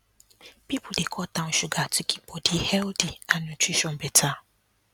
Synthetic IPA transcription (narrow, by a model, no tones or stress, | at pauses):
pipʰʊdekʰɔtʰãn̩ʃʊɡatʰʊkʰi̥pʰɔdɪhɛldianũtʰɹiʃɔ̃nbɛtʰa